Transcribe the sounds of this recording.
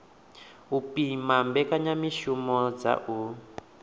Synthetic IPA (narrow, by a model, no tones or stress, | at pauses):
upimambɛkaɲamiʃumɔd͡za̰ʔu